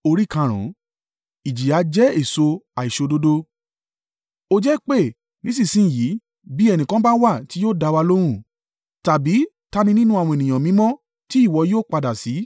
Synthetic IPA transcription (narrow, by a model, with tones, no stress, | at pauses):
o˧ɾi˦kã˧ɾ̃ṵ̃˨˦ | i˨d͡ʒi˨a˨˦d͡ʒɛ˦e˦˨so˧a˨i˨ʃo˧do˦do˦ | o˧d͡ʒɛ˦k͡pe˦˨ | nĩ˨˦si˦˨sĩ˦˨ji˨˦ | bi˨˦ɛ˧nĩ˨kã˦ba˦wa˦˨ti˨˦joː˦˨da˧wa˧lo˦ɾ̃ũ˦˨ | ta˨bi˨˦ | ta˧mĩ˧nĩ˦nũ˦a˧w̃ɔ̃˧e˨nĩ˨j̃ã˨mĩ˨˦mɔ̃˦ | ti˨˦i˦˨wɔ˧joː˦˨k͡pa˧da˨si˨˦